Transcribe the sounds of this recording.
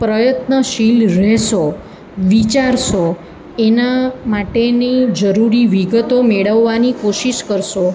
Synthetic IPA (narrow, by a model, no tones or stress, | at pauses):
pɾəjət̪nəʃilɾɛʃo | ʋit͡ʃaɾʃo | enamaʈenid͡ʒəɾuɾiʋiɡət̪omeɭəʋːanikoʃiʃkəɾʃo